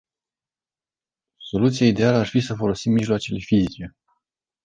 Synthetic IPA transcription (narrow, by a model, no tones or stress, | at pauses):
so̞lut̪sijaid̪e̞aləarfisəfo̞lo̞simːiʒloat͡ʃele̞fizit͡ʃe̞